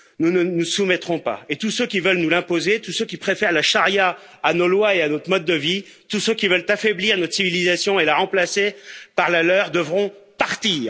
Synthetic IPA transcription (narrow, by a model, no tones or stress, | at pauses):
nunənusumɛt̪χɔ̃pa̰et̪usøkʲivœlnulɛ̃pozet̪usøkʲipχefɛʁlaʃaʁjaː | nolwaeanɔt̪χmɔd̪ːəvi | t̪usøkʲivœlt̪afɛbliʁnɔt̪χsivilizasjɔ̃elaʁɑ̃plasepaʁlalœʁd̪əvʁɔ̃paʁt̪iːʁ